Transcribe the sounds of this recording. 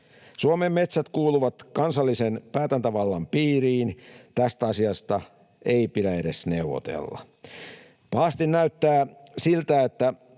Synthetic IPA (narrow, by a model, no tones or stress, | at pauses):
suomemːe̞t̪sæt̪kuːluʋɑt̪kɑnsɑlːisenpæːt̪ænt̪æʋɑlːɑmpiːriːnt̪æst̪æɑsiɑst̪ɑ | eipidæeɾesneuʋo̰t̪ḛlːɑ̰ | pɑhɑst̪innæyt̪ːæːsilt̪æet̪ːæ